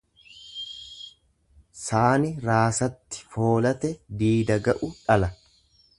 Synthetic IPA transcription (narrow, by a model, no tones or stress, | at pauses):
saːnɪɾaːsɐt̪ːɪ̥foːlɐt̪ɛd̪iːd̪ɐɡɐʔʊᶑɐlɐ